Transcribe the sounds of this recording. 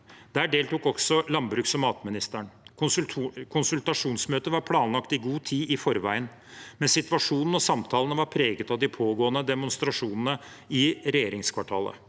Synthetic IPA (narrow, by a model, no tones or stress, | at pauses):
d̪̥æːɖeːlt̪uːkɔksɔlɑnbɾʉːksɔmɑːt̪mɪnɪst̪əɳ | kʰʊnsʉlt̪ɑʂuːnsmøːt̪əʋɑɾpʰlɑːnlɑkt̪ɪɡuːt̪ʰiːʔɪfɔɾʋæ̰ɪən | mɛnsɪt̪ʋɑʂuːnn̩ɔsɑmt̪ʰɑːlənəʋɑɾpʰɾeːɡət̪ɑʋd̪ɪpʰoːɡoːənəd̪ɛmʊnst̪ɾɑʂuːnən̩ə | ɪɾɛjeːɾɪŋskʰʋɑʈʰɑːlə̰